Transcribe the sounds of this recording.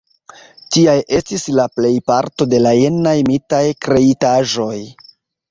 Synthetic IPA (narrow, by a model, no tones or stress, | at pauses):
tiajʔe̞stislaple̞jpaɾto̞de̞lajenajmitajkɾe̞itaʒo̞j